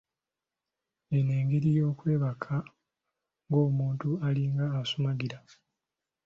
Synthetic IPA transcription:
e̞neːŋɡeɾijo̞ːkwe̞ːβakʰa | ŋɡo̞ːmuːntualiŋɡaːsumaɡiɾa

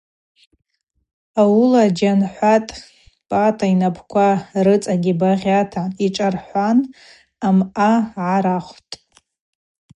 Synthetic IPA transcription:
awulad͡ʒanħʷatʼ | pʼatʰainapʰkʷʰarɨt͡sʼaɡʲibaʁʲatʰaiʈ͡ʂʼarħʷan | amaʕaɾaχʷtʼ

